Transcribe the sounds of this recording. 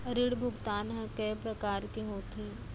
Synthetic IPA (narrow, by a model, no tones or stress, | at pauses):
ɐɾɪɽbʱʊɡt̪aːnɦɛ̃kɛːpɾɐkaːɾkiɦoːt̪ʰiː